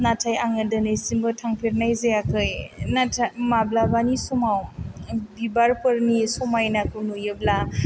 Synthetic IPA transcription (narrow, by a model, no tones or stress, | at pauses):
natʰajaŋɐdɐnɯjsimbɯtʰaŋpʰiɾnajzejakʰɯjnatʰamablabanisɔmaw | bibaɾpɯɾnisɔmajnakʰɯwnujɯbla